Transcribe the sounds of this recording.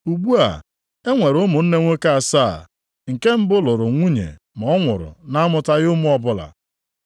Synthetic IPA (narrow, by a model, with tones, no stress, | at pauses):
u˨ɡ͡bu˦a̰˨ | e˦ŋʷe˨ɾʊ˦mʊ˨n̩˦ne˦ŋʷe˦ka˦a˨sa˦˨ | ŋ̩˨ke˦m̩˦bʊ˦lʊ˨ɾʊ˨ŋʷu˦ɲḛ˨ | mɔ˨˦ŋʷʊ̰˨ɾʊ̰˨na˦a˦mʊ˨ta˦ɣʊ˦mu˦ɔ˦bʊ˦la̰˨